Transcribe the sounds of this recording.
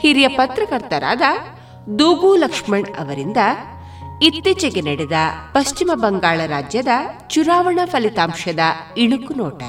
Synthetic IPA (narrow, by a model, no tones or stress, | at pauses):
hiɾijɐpɐt̪ɾɐkɐɾt̪ɐɾa̰ːd̪ɐ | d̪uːɡuːlɐkʂmɐɳɐ̰ʋɐɾind̪ɐ | it̪ːit͡ʃɐɡenɐɽɛd̪ɐpɐst͡ʃimɐbɐŋɡaːɭɐɾaːd͡ʒjɐd̪ɐt͡ʃuɾaːʋɐɳɐpʰɐlit̪aːmʃɐd̪ɐiɳukunɔːʈɐ̰